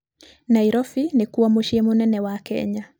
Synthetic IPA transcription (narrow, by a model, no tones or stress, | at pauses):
naiɾɔfinikuwamoʃiemonɛnɛwakɛ̰ɲa